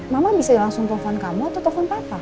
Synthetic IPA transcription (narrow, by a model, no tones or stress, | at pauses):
mamabisadilaŋsʊŋpɔfɔnkamɔt̪ɔt̪ɔfɔnpap̪a